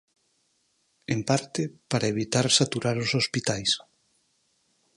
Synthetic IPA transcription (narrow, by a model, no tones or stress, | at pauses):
empaɾt̪ɪpaɾaeβ̞it̪aɾsat̪uɾaɾosospit̪ajs